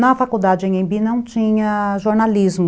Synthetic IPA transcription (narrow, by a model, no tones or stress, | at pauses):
nɐfakuwd̪ad͡ʒɪẽj̃ẽbinɐ̃w̃t͡ʃĩɲɐʒoɾnalizmʊ